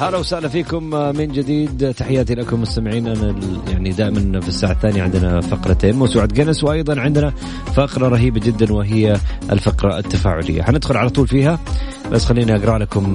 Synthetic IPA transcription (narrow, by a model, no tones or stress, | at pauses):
halawsaʔlafiːkʊmmɪnd͡ʒɪd̪iːd̪t̪aħɪjːaːt̪ilakʊmːʊst̪amɪʕiːnʔanaja̰ʕnid̪aːʔɪmanfisːaːʕaθːaːnjaʕɪnd̪ɪnafɑqɾˤɑt̪eːnmaːsuːʕat̪̚ɡanswʔɑjðˤɑnʕɪnd̪na | fɑqɾˤɑɾˤɑɦiːbad͡ʒɪd̪ːanwɪɦɪjːaɪ̰lfɪqɾˤɑɪ̰t̪ːafa̰ːʕʊlɪ̰jːa̰ħanɪd̪xʊlʕalat̪ˤuːlfiːɦa | ba̰sːxalːiːnaʔaɡɾˤɑːlakʊm